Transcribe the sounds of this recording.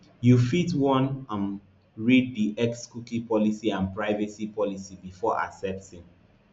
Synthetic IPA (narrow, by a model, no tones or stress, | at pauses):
jufitwɔ̃nãm | ɹid̚diʔɛkskukĩpɔlisiãnpɹaɪvɛsipʰɔlisibifɔʔa̰ksɛp̚tĩm